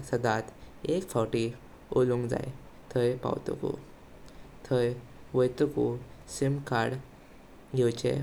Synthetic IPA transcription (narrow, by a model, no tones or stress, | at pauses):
səd̪at̪ekfɔʈi | olũŋɡd͡za̰j | t̪ʰəjpa̰wt̪ṵkṵ | t̪ʰəjʋəjt̪ukusimkaɽ | ɡʱewt͡ɕḛ